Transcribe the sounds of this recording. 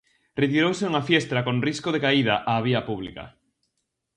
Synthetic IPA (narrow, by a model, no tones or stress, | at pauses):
ret̪iɾowseuŋafjɛst̪ɾakonriskoðekaið̞ɐʔaːβ̞iɐpuβ̞lḭkɐ̰